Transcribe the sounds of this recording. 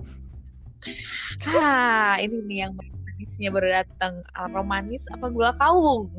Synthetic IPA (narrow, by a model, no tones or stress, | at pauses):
laininijaŋbamanɪsɲabərdat̪əŋaromanɪsapaɡulakawʊŋ